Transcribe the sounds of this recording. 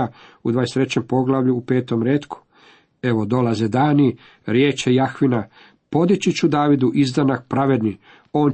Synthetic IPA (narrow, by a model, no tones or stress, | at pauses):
aud̪ʋaːjest̪ɾe̞t͡ɕe̞mpo̞ɡlaʋʎuːpe̞ːt̪o̞mɾeːt̪kʰu̥ | e̞ʋo̞d̪o̞lazed̪aːni | ɾje̞ːt͡ʃejaxʋina | po̞d̪it͡ɕit͡ɕud̪aːʋid̪uʔizd̪anak̚pɾaʋe̞d̪ni | o̞ːn